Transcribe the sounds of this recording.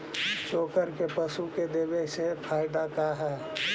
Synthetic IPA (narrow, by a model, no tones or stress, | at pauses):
t͡ʃoːkəɾkepəsuked̪eːbesepʰaːɪd̪akaɦɛː